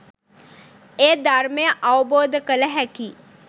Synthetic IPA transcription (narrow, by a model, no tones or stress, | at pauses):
eːd̪aɾmejəʔawboːd̪ʱəkələɦɛki